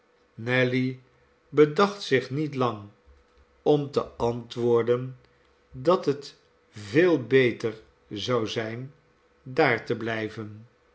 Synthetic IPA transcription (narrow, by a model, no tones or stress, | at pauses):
nɛli | bədɑχtsɪχnitlɑŋ | ɔmtəɑntʋʊːɹdən | dɑtɦət | vɪːlˠbejtəɹ | zɑwzɛjn | daːɹtəblɛjvən